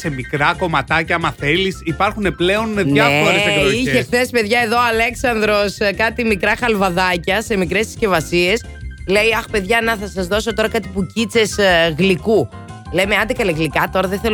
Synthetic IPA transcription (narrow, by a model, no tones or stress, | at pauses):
se̞mikɾɐko̞mɐt̪ɐcɐɐmɐθe̞lisipɐɾxune̞ple̞o̞nðʝɐefoɾesekoiesθe̞si̥pe̞ðʝɐe̞ðo̞ɐle̞ksɐnd̪ɾo̞skɐt̪imikɾɐxɐlvɐðɐcɐse̞mikɾe̞si̥sce̞vɐsie̞s | le̞jɐxpe̞ðʝɐnɐθɐsɐzðo̞so̞t̪o̞ɾɐkɐt̪i̥pucit͡se̞sɣliku | le̞meɐnd̪ekɐleɣlikɐt̪oɾɐðeθe̞l